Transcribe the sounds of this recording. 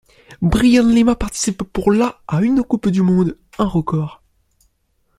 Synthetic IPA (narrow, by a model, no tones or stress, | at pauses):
bʁijãnlemapaʁt̪i̥sipːuʁlaaynkupd̪ymɔ̃d̪ | ɛ̃ʁəkɔʁ